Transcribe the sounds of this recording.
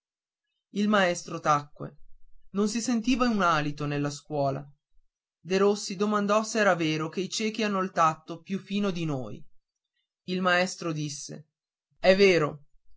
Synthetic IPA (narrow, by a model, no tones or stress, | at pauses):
ilmaɛst̪ɾot̪akːwḛnons̬isent̪iːvaunaːlit̪onelːaskwɔːla̰ | d̪eɾosːid̪omand̪ɔseɛːɾaveːɾokeit͡ʃɛːk̟ianːolt̪at̪ːopjufiːnod̪ino̰ːj | ilmaɛst̪ɾod̪isːḛ | ɛveːɾo